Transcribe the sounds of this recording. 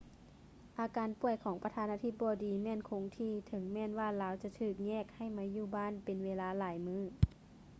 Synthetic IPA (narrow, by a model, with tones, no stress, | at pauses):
ʔaː˧kaː˨˦npu˧˩əjkʰɔː˨˩˦ŋpa˧t̪ʰaː˧˥nʔaː˧t̪ʰi˧˥p̚bɔː˨˧˦diː˨mɛː˧˥˨nkʰoː˧˦ŋt̪ʰiː˧˩t̪ʰɤ˨˦ŋmɛː˧˥˨nwaː˧˩˨laː˧˦wt͡ɕa˧t̪ʰɯː˧˩k̚ɲɛː˧˥˩k̚ha˧˩jmaː˧˥juː˧˩baː˧˥˨npe˨nweː˧laː˧˥laː˨˩˦jmɯː˧˩